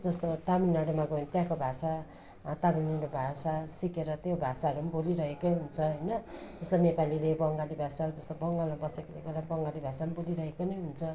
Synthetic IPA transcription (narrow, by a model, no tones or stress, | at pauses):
d͡zʌst̪ot̪aminaɽomaɡʌnt̪jãkobʱasa | t̪aminiɾobʱasasikeɾʌt̪jobʱasaɦʌɾumboliɾʌɦekʌjɦunt͡sʰʌɦʌjnʌd͡zʌst̪onepalilebʌŋɡalibʱasad͡zʌst̪obʌŋɡalmabʌsekilekolabʌŋɡalibʱasamboliɾʌɦekonʌjɦunt͡sʰʌ